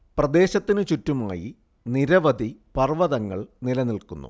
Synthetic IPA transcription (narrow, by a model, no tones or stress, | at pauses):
prɐd̪e̞ːɕɐt̪ːinɨt͡ɕutːumaːjḭ | niɾɐʋɐd̪ʱipɐrʋɐðɐŋːɐɭnilɐnilkunːṵ